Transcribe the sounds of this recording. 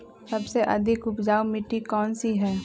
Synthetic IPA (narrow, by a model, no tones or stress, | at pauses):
sɐbseʔɐ̰d̪ʱɪkʊpd͡ʒaːwmɪʈːikɔːnsiɦɛː